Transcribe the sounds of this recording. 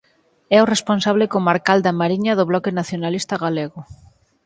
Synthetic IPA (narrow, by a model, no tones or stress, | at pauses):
ɛoresponsaβlekomaɾkald̪amaɾiɲɐðʊβlɔkɪnaθjonalist̪aɣaleɣʊ